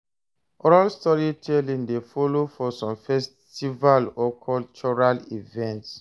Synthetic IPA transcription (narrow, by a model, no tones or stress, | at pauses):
ʔɔɹalstɔɹitʰɛlĩndefɔlofɔsɔ̃mfɛs | tivalɔkʰɔlt͡ʃɔɹalḭvɛ̃nts